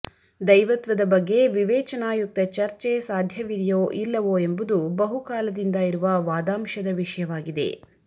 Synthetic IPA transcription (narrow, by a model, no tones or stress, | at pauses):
d̪ɐjʋɐt̪ʋɐd̪ɐbɐɡːe̞ʋiʋɛːt͡ʃɐnaːjuk̚t̪ɐt͡ʃɐɾt͡ʃesaːd̪ʱjɐʋiɾjoːʔilːɐʋoːe̞mbud̪ubɐɦukaːlɐd̪ind̪ɐiɾuʋɐʋaːd̪aːmʃɐd̪ɐʋiʂɐjɐʋaːɡid̪e̞̰